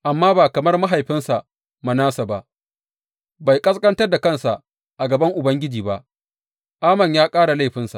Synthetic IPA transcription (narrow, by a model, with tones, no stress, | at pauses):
ʔa˨mːaː˦baː˨kɐ˨mɐ˦rma˦ɦa˨jɸɪ˦nsa˨ | ma˨naː˦sa˨ba˦ʔ | ba˨jkʼɐ˦skʼɐ˦ntɐ˦rda˨kɐ˦˨nsa˨ʔ | ʔa˨ɡɐ˨bɐ˦ŋʔʊ˨bɐ˦ŋɡʲɪ˦d͡ʒiː˨ba˦ʔ | ʔaː˦mɐ˨ɲjaː˦kʼaː˦ɽa˨la˦jɸɪ˦nsa̰˨ʔ